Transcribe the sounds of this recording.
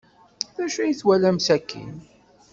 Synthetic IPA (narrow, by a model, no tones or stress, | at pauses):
ðæʃujəθwælæmsækːḭn